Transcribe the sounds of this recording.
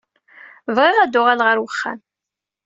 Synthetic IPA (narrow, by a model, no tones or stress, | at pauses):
vʁɪʁæd̪ʊʁalʁəɾwəχːæ̰n